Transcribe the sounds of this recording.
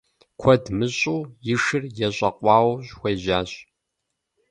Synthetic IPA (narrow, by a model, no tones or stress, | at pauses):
kʷʰɔdmɨɕʼuːjɪʂɨrjɛɕʼɐqʷʼɑːwɕxʷɐjʑaːɕʼ